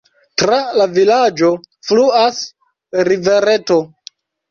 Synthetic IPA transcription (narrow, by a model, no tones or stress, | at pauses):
tɾalavilad͡ʒo̞fluas | ɾive̞ɾe̞to̞